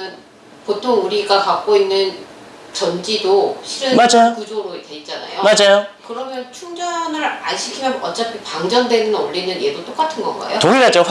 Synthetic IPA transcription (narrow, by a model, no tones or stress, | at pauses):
ɯn | potʰoŋuɾiɡakak̚k͈oinːɯn | t͡ɕʌnd͡ʑidoɕʰiɾɯmad͡ʑajokud͡ʑoɾoetwe̞it̚t͡ɕ͈ana̰jomad͡ʑajokɯɾʌmjʌnt͡ɕʰuŋd͡ʑanɯɾa̰nɕʰikʰimjʌnʌt͡ɕ͈apʰipaŋd͡ʑʌndwenɯnoʎːinɯnje̞dot͈ok͈atʰɯnɡʌnɡa̰jotoŋiɡad͡ʑok